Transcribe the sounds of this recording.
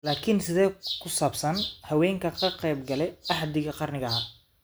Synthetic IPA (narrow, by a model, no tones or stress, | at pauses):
laːkʰɪnsɪðɛːkʰʊsaːbsɐnhɐwɛːŋkʰɐkʰɐqɛjbɡɐlɛjɑħd̪ɪɣɐqɑrnɪɣɐɦɐ